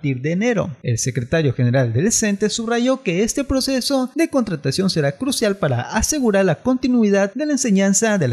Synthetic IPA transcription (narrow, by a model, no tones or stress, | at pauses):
t̪iɾðeːne̞ɾo̞̰e̞̰lse̞kɾe̞t̪aɾjo̞xene̞ɾald̪eðese̞nt̪e̞suβraʝo̞ke̞est̪e̞pɾo̞se̞so̞ðe̞ko̞nt̪ɾat̪asjo̞nse̞ɾakɾusjalpaɾa̰ʔase̞ɣuɾaɾlako̞nt̪inwiðaðd̪e̞laense̞ɲansaðe̞l